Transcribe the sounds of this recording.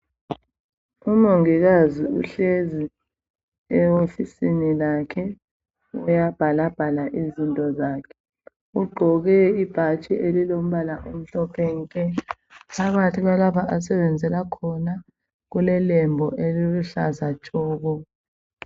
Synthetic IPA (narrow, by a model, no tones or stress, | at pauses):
umoŋiɣaziṵɬezi | ɛofisinilakʰɛ | ujab̥ʱalab̥ʱalaʔizintʼɔzaːkʰɛ̥ | uɡ͡ǃʱɔɣɛib̥ʱat͡ʃʼiʔelilom̩βalaʔum̩ɬɔpʰɛŋkʼɛ | pʰaɣatʰiɣalaβaʔas̬ɛβɛnd͡zʱɛlakʰɔna | ɣulɛlɛmbʱɔʔeliluɬazat͡ʃʼɔːɣɔ